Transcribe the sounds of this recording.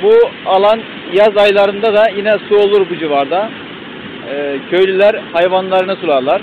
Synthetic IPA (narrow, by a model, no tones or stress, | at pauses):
bualˠan | jazajlˠaɾɯnd̪ad̪ajinɛsuo̞lˠuɾbud͡ʒivaɾd̪a | cʰø̞jlʲylʲæɾhajvanlˠaɾɯnɯsuɾˠaɾlˠaɾ̥